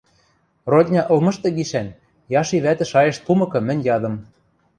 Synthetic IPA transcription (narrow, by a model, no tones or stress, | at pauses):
rod̪ʲnʲɑʔɤ̆lmɤ̆ʃt̪ɤ̆ɡiʃæn | jɑʃiβæt̪ɘ̆ʃɑjɤ̆ʃp̪umɤ̆kɤ̆mɘ̆nʲjɑd̪ɤ̆m